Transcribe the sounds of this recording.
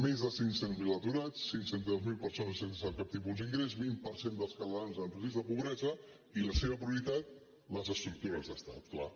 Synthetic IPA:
mezðəsiŋsenmilˠət̪uɾat͡sːiŋsent̪əðozmilˠpəɾsonəsensəsapkap̚t̪ipulˠd̪iŋɡɾez̬βinpəɾsend̪əlˠskəlˠanzəmpɾəzizəpuβɾɛzə | iləseβəpɾiuɾit̪at̪̚ | ləzəst̪ɾuk̚t̪uɾəzðəst̪at̪kla̰

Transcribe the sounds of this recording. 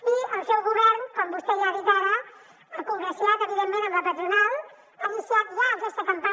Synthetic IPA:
iəlˠsɛwɣuβɛɾnkɔmbust̪ejaɾit̪aɾə | əkuŋɾəsiat̪əβiðemːẽnəmləpət̪ɾunalˠ | əusiat̪zawzɛst̪əkəmpa

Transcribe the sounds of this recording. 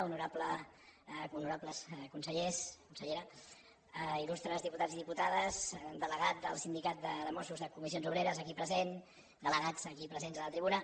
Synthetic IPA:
unuɾaplə | unuɾapləskunsəʎeskunsəʎeɾə | ilust̪ɾəzðiput̪ad͡ziðiput̪aðəzd̪ələɣat̪̚d̪ə̰lˠsind̪ikat̪̚d̪əðəmɔsuzðəkumisionzuβ̞ɾeɾəzəkipɾəzen | d̪ələɣad͡zəkipɾəzenzələt̪ɾiβunə

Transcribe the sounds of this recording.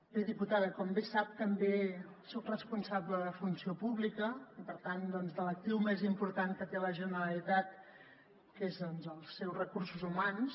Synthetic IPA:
beðiput̪aðəkɔmbesap̚t̪əmbe | sɔkrəspunsabləðəfunsiopuβlikəipəɾt̪and̪ɔnzðələk̚t̪iwmezimpuɾt̪aŋkət̪eləʒənəɾəlit̪at̪̚ | kezɔnzəlˠsːɛwzrəkursuzumans

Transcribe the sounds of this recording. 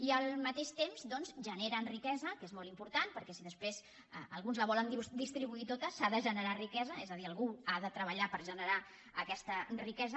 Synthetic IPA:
iəlˠmət̪eʃt̪emzd̪ɔnzʒəneɾənrikɛzəkezmɔlˠimpuɾt̪an̚pəɾkɛsiðəspɾez | əəlˠɣunzləβɔlənd̪id̪ist̪ɾiβuit̪ot̪əsaðəʒənəɾarikɛzəezəðiəlˠɣuaðət̪ɾəβəʎapəɾʒənəɾa | əkɛst̪ərikɛzə

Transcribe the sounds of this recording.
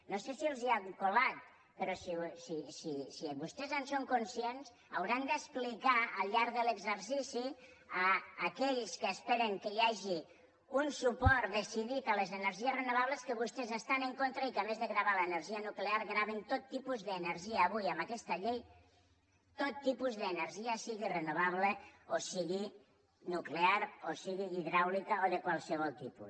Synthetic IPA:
nosesiulˠziaŋkolat̪̚ | pəɾɔsisisisiβust̪ezənsoŋkunsiens | əwɾand̪əsplikaəlˠʎaɾðələɡzəɾsisi | əːkɛʎskəːspɛɾəŋkəjaʒi | unsupɔɾt̪d̪esiðit̪alezenəɾʒierenuβ̞aβleskəβust̪ezəst̪aneŋkont̪ɾaikamezðeɣɾaβ̞aləenəɾʒianukleaɾɣɾaβent̪ot̪ːipuzðeːneɾʒiaːβujambakɛst̪aʎej | t̪ot̪ːipuzðənəɾʒiasiɣirənuβaβ̞leosiɣi | nukleaɾosiɣiiðɾawlikaoðekwalˠsəβ̞ɔlˠt̪ipṵs

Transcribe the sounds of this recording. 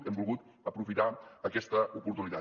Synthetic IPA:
ɛmbulˠɣut̪ | əpɾufit̪aəkɛst̪əʔupuɾt̪unit̪a

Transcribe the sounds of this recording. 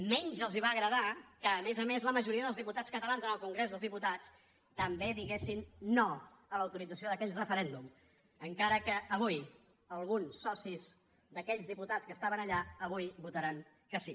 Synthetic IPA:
mɛɲzəlˠziβaɣɾəðakəːmezəmezləməʒuɾiəðəlˠzðiput̪atskət̪əlanzənəlˠkuŋɡɾezðəlˠzðiput̪at͡s | t̪əmbeðiɣesinːo | ələwt̪uɾid͡zəsioðəkɛʎrəfəɾɛnd̪um | əŋkaɾəkəʔəβuj | əlˠɣunsːɔsiz | d̪əkɛʎzðiput̪at͡skəst̪aβənəʎaəβ̞ujbut̪əɾaŋ | kəsi

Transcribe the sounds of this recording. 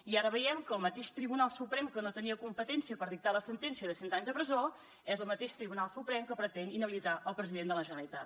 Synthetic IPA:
iaɾəβəjɛmkəːlˠmət̪eʃt̪ɾiβunalˠsupɾɛmkənot̪əniəkumpət̪ɛnsiəpəɾðik̚t̪aləsənt̪ɛnsiəðəsɛnt̪aɲzðəpɾəzo | ɛzəlˠmət̪eʃt̪ɾiβunalˠsupɾɛmkəpɾət̪ɛninəβilit̪aʔəlˠpɾəziðend̪ələʒənəlit̪at̪

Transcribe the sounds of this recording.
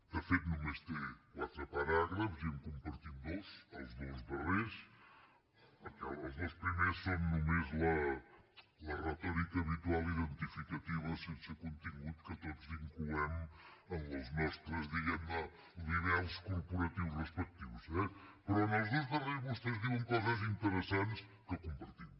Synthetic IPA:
ɐfejt̪numeʃt̪elˠasɾɐpɐɾaɾlˠɐβuzimkõmpɐɾt̪ind̪oʃawʒðoʒβɐʁeɾʃ | ɐkɛlɐwʒðoʃpɾimeɾɐʃsɛmnumeʒlˠa | lɐʁɐt̪ɔɾikɐβit̪walˠiðẽnt̪ifikɐt̪ivɐsẽnsɐkõnt̪iɣuðukɐt̪ɔd̪uzĩŋkluɐmuɐ̃ɐzmɛʃt̪ɾɐzðiɣɐmɐ | liðɛlˠʃkuɾpuɾɐt̪ivuʃrəʃpɛk̚t̪iβuʃnɛpɾɔnɔwzðojʒðɐreɾβɔʃt̪ezðiɐ̃ŋkɔzɐzĩnt̪əɾəsãnt̪ʃ | kɐkũmpɐɾt̪im

